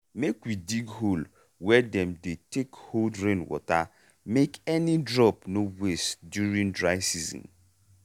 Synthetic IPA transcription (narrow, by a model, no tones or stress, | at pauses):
mekwidiɡɦol | wɛdɛ̃mdetekholdɾẽnwɔ̰ta | mekɛnidɹɔpnowestdjuɾĩŋdɹaɪsizɔ̰̃n